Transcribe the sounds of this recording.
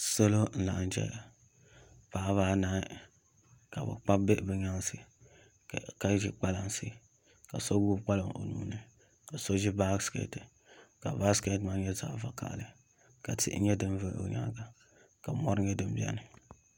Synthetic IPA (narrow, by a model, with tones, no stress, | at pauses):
so˦lo˦n̩˦la˨ʔn̩˦d͡ʒɛ̰˦a˨ | paː˨˦βaː˦na˦ | ka˨bɨ̰˨k͡pa˦be˦bɨ˦ɲa˦ŋ˦si˦˨ | ka˦ʒi˦k͡pa˦la˨ŋsḭ˦˨ | ka˨so˦ɡu˦k͡pa˦lɨ˨ŋo̰˨nuː˨nɨ˦ | ka˨so˦ʒi˦ba˦ɡskḛ˦tɨ˨ | ka˨ba˦ske˦tma˦ɲɛ˦za̰ː˨va˨ka̰˨ʔlɨ˨ | ka˨tḭ˨ʔɲɛ˦dɨ˦m˦vɨ˦ʔo̰˨ɲa̰˦ɡa˨ | ka˨mɔ˦ɾɨ˦ɲɛ˦dɨ˦m˦bi˦a̰˦nɨ˨